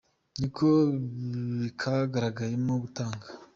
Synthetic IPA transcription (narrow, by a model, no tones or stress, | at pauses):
nikʰo | βikʰaɡaɾaɡajemoɡutaːŋɡḁ